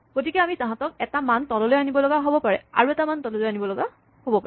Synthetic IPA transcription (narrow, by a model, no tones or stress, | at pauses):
ɡ̥otikɛamitãɦãtɔk̚ɛtamantɔlɔlojanibɔlɔɡaɦobɔpaɹɛ̰a̰ɹuɛtamantɔlɔlojanibɔlɔɡa | hobɔpaɹɛ